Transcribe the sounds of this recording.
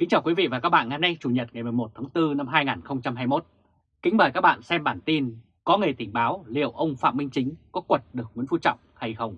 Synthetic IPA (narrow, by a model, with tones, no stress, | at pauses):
kï˨˦ŋ̟t͡ɕaː˨˩wkwi˨˦vḭ˧˨vaː˨˩kaː˦˥k̚ɓa̰ː˧˨ŋaː˧˦na˧jt͡ɕu˨˩ɲə˨˩t̚ŋa˨˩jmɨ˨˩jmo˨˩t̚t̪ʰaː˨˦ŋt̪ɨ˧na˧mɦaː˧jŋaː˨˩nxə˧wŋ͡mt͡ɕa˧mɦaː˧jmo˦˥t̚ | kï˨˦ŋ̟məː˨˩ka˦˥ɓa̰ː˧˨nsɛ˧mɓaː˧˩nt̪i˧n | kɔ˨˦ŋɨ˨˩ə˩jt̪ï˧˩ŋɓaː˨˦wlḭ˧˨əwʔə˧wŋ͡mfa̰ː˧˨mï˧ŋ̟t͡ɕï˨˦ŋ̟kɔ˨˦kwə˨˩t̚ɗɨ˨˩ək̚wi˨˦ənfu˧˩t͡ɕɔ̰˧˨wŋ͡mha˧jxə˧wŋ͡m